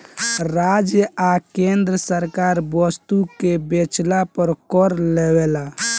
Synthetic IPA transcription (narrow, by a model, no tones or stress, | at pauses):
ɾad͡ʒjəakend̪ɾəsəɾkaɾbəst̪ukebet͡ʃlapəɾkɔɾlewela